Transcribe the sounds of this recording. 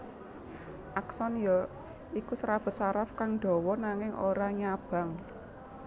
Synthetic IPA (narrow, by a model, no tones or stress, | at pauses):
ʔaksɔnjɔ | ikusɾab̥ə̤t̪̚saɾafkaŋɖ̥ɔ̤wɔnaŋɪŋo̰ɾaɲab̥a̤ŋ